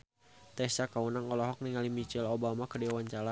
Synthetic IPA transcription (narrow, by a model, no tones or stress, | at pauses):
t̪ɛst͡ʃakaunaŋɔlɔɦɔk̚niŋalimit͡ʃɛlobamakədɛwaɲt͡ʃala